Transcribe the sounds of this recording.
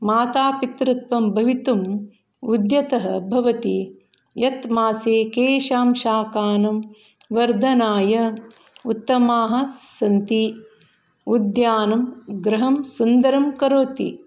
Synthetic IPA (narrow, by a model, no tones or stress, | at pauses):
maːt̪aːpit̪ɾɐt̪ʋɐmbʱɐʋit̪um | ud̪jɐt̪ɐɦɐbʱɐʋɐt̪i | jɐt̪maːseːkeːʃaːmʃaːkaːnɐm | ʋɐɾd̪ʱɐnaːjɐut̪ːɐmaːɦɐ̆sɐnt̪i | ud̪jaːnɐmɡɾɐɦɐmsund̪ɐɾɐmkɐɾoːt̪ḭ